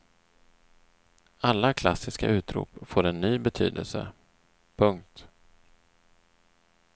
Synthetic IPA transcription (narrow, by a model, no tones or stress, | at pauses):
alːakʰlasːɪska̰ʉ̟ːt̪ɾṵːpfoːɾɛnːyːbɛt̪ʰy̰ːd̪əlsə̰ | pʰɵŋk̚t̪